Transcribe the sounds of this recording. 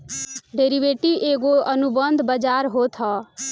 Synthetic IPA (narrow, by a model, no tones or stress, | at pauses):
ɖeːɾiʋeːʈiʔeːɡoənʊbənd̪bəd͡ʒaːɾɦoːt̪ʰɔː